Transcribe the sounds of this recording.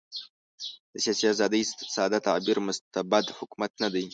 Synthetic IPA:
d̪asʲiasiazad̪istsaːd̪at̪ʰaʕbiɾmɨstːabad̪ħʊkʷmat̪̚ʰnad̪ej

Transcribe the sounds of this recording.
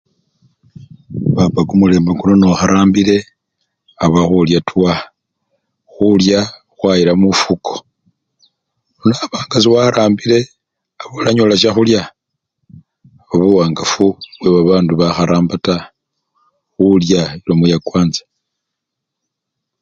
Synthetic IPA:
βapaɡumule̞ːmbakunonoxaɾaːmbile̞ | aβaxuljatwa | xulja | xwaiɾamufukʰo̥ | onaβaːŋɡasiwaɾaːmbile̞ | aβolaɲolaʃ̬axulja | βaβuwaːŋɡafuβwe̞βaβaːnduβaxaɾaːmbata | xuljaiɾomujakwaːnzḁ

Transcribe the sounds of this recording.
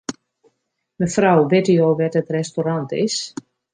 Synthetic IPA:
mənfrawʋɪtijoːʋɛtətrɛstorantɪ̰s

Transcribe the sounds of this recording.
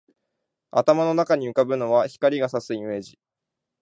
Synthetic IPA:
at̪amano̞nakaɲ̟iɯ̟kabɯ̟no̞βaçi̥kaɾʲiɡasasɨime̞ːʑi

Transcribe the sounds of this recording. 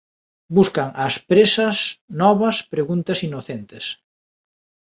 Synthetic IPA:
buskɐŋɐspɾesɐsnɔβɐspɾeɣunt̪ɐsinoθent̪ɪs

